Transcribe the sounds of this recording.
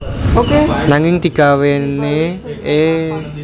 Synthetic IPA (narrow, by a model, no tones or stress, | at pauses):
okenaŋɪŋd̪̥i̤ɡ̥a̤wenee